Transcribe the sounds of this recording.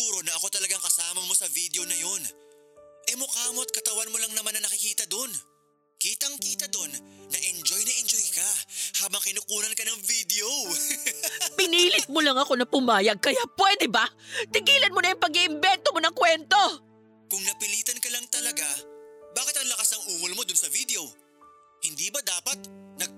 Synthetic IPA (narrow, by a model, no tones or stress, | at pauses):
puːɾonɐʔɐko̞t̪ɐlɐɡaŋkɐsaːmɐmo̞sɐvid̪eo̞nɐjo̞n | ʔɛmokaːmo̞t̪̚kɐt̪ɐwanmolɐŋnɐmanːɐnɐkɪkiːt̪ɐd̪o̞n | kiːt̪ɐŋkiːt̪ɐd̪o̞nːɐʔɛnd͡ʒojnɐʔɛnd͡ʒojkɐhaːbɐŋkɪnʊkuːnɐnkɐnɐŋvid̪eo | pɪniːlɪt̪̚molɐŋɐko̞nɐpʊmaːjɐɡ̚kɐjapwɛd̪ɛbat̪ɪɡiːlɐnmonɐjʊŋpɐɡɪʔɪmbɛnt̪omo̞nɐŋkwɛnt̪o̞ | kʊŋnɐpɪliːt̪ɐnkɐlɐŋt̪ɐlɐɡabaːkɪt̪̚ɐŋlɐkasɐŋʔuːwolmo̞d̪ʊnsɐvid̪ɛo | hɪnd̪iːbɐd̪aːpɐt̪̚nɐɡ̚